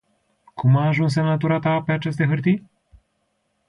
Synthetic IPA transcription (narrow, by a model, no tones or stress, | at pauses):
kʰumaːʒuns̬emnat̪uɾat̪ape̞at͡ʃe̞s̬t̪e̞ɦɨrt̪i